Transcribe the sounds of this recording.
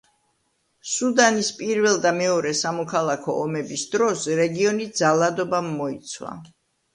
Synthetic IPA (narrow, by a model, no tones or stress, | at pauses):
sud̪anispʼiɾvɛlˠd̪amɛɔɾɛsamɔkʰalˠakʰɔʔɔmɛbisd̪ɾɔsɾɛɡiɔnid̪zalˠad̪ɔbamːɔit̪sʰwa̰